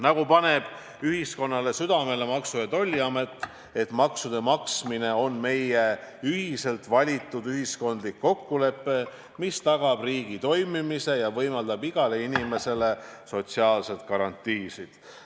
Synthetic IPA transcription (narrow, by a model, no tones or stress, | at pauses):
nɑɡupɑne̞b̥ | yɦisko̞nːɑle̞syd̪̥ɑme̞le̞mɑksujɑt̪o̞lʲːiɑme̞t̪ːˑ | e̞t̪mɑksud̪̥e̞mɑksmine̞o̞nme̞je̞yɦise̞lt̪vɑlʲit̪ˑːud̪yɦisko̞nd̪likːo̞kːule̞pːe̞ | mist̪ɑɡ̥ɑb̥riːɡ̥it̪o̞jmimise̞jɑvɤjmɑld̪ɑbiɡ̥ɑle̞inime̞se̞le̞so̞t̪siɑːlse̞t̪kɑɾɑnt̪ːˑiːsid̪̥